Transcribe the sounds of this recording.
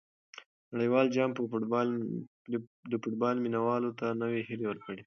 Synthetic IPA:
naɽəjwɑld͡ʒɑmpəbl | d̪əfʊʈ̚bɑlminawɑlot̪anəweɦilewəɾkəɽe

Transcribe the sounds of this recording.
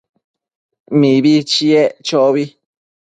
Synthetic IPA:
mĩβit͡ʃiet͡ʃoβi

